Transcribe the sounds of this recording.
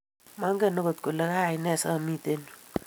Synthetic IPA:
ma˦ŋɡə˦˨no˦ɡo˨t̪̚ko˨la˦ka˦˨i˨nɛ˦˨sa˦˨mi˦˨t̪e˦nu˨

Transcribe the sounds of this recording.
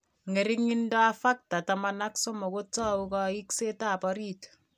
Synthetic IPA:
ŋe˨ɾi˦ŋi˦ndɔ˦a˦fa˦k̚ta˨ta˨ma˦na˦kso˦mo˨ko˦tɔ˦u˦kɔ˦i˦kse˦ta˦˨pɔ˦ɾi˦t

